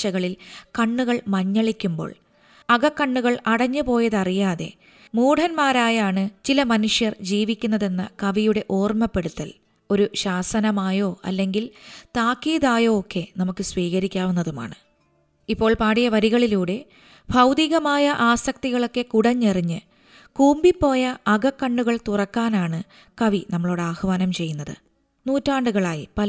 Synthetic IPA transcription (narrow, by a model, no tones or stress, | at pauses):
t͡ɕːɐɣɐɭilkɐɳːuɣɐɭmɐɲːɐɭikʲːumbo̰ːɭ | ɐɣɐkːɐɳːuɣɐɭɐɽɐɲːɨpo̞ːjɐðɐrijaːðe̞̰ | muːɽʰɐnmaːɾaːjaːɳɨt͡ɕilɐmɐnuʂjɐrd͡ʑiːʋikʲːunːɐðe̞nːɐkɐʋijuɽe̞ʔo̞ːrmɐpːe̞ɽut̪ːɐl | o̞ɾuɕaːsɐnɐmaːjo̞ːɐ̰lːe̞ŋɡilt̪aːkːiːðaːjo̞ːkːe̞nɐmukːɨsʋiːɣɐɾikʲːaːʋunːɐðuma̰ːɳɨ | ipːo̞ːɭpaːɽijɐʋɐɾiɣɐɭiluːɽe̞ | bʱɐwd̪iɣɐmaːjɐʔaːsɐk̚t̪iɣɐɭo̞kːe̞kuɽɐɲːeriɲːɨ | kuːmbipːo̞ːjɐːɡɐkːɐɳːuɣɐɭt̪urɐkːaːnaːɳɨ | kɐʋinɐmːɐɭoːɽeaːhʋaːnɐmt͡ɕe̞jːunːɐðɨ̰ | nuːtːaːɳɖuɣɐɭaːjipɐ